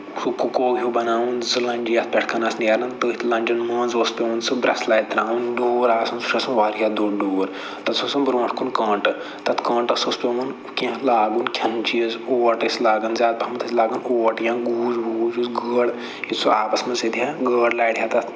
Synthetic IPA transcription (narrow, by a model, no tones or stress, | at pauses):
sukukoːɡʲjubɐnaːunzɨlɐnʲd͡ʒijɐt̪̚pʲɐʈʰkʰɐnɐsnjaːɾnɐnt̪əːɦit̪ʰlɐ̃nʲd͡ʒɐnmãːnzoːspʲeunsɨbɾɐslaːjt̪ɾaːunɖoːɾaːsɐnsu̥ʃʰɐsunʋaːɾjaːd̪oːɽɖoːɾ | t̪ɐt̪soːsɐnbɾõːʈʰkunkɐ̃ːɳʈɨ | t̪ɐt̪kɐ̃ːɳʈɐsoːspʲeʋun | kɐ̃ɦlaːɡunkʲʰɐnt͡ʃiɐzoːʈɐsʲlaːɡɐnzʲaːd̪̚bɐmɐt̪ʰɐsʲlaːɡɐnoːʈjãːɡuːd͡ʒbuːd͡ʒuzɡəːɽ | isuaːpɐsmɐsed̪ijãɡəːɽlaːɽjat̪ɐt̪